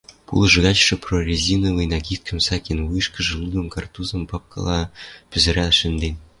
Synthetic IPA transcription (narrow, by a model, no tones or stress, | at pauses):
pṵlˠʒɨ̆ɣɑt͡ɕʃɤ̆prorʲezʲinɤvɯjnɑɡʲit̪̚kʲʰə̆msɑkʲenvujʃkə̆ʒɤ̆lˠud̪ɤ̆mkɑrt̪uzɤ̆mpɑp̚kʰɤ̰lˠɑpyzɘ̆ɾæʃɘ̆nd̪enʲ